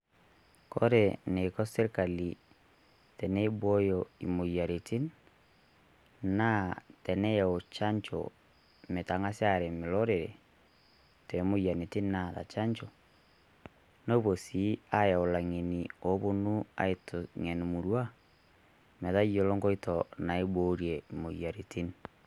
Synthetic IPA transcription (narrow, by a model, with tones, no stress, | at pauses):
kɔ˦ɾene˨kɔ˦se˦ɾka˨li˨ | tɛnɛ˦i˦βwɔ˦jɔi˨mo˨ja˨ɾe˨ti˦n | na˦tɛ˨nɛ˦ja˨o˨t͡ʃa˦ɲt͡ʃɔ̰ | me˨ta˨ŋa˦sja˦ɾɛ˨me˨lɔ˦ɾe˨ɾḛ˨ | twɛ˨mo˦ja˨ne˨ti˦nnaða̰˨t͡ʃa˦ɲt͡ʃɔ˨ | no˦βo˨si˨˦a˦ja˨o˨la˨ŋe˨ni˨o˨˦βo˦nu˦a̰˨e˨to˨ŋɛ˨ni˨mu˨ɾwa˦ | mɛ˨ða˦jo˨lɔ˦ŋɡɔ˦i˦tɔna˨e˦boɾjɛimo˨ja˨ɾe˨ti˦n